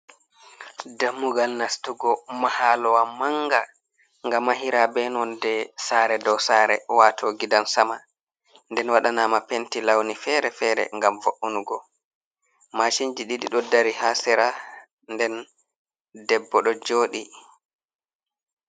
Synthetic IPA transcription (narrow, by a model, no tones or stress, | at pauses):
damːuɡalnastuɡɔmahalɔwamaŋɡa | ŋɡamːaɦiɾabɛnɔndɛsaːɾɛdɔwsaːɾɛ̰waːtʰɔɡidansama | ndɛnwaɗanaːmapentilawnifɛɾɛfɛɾɛ̰ŋɡamvɔʔunuɡɔ | maʃind͡ʒiɗiɗiɗɔdaɾihasɛɾa | ndɛn | dɛbːɔɗɔd͡ʒoːɗi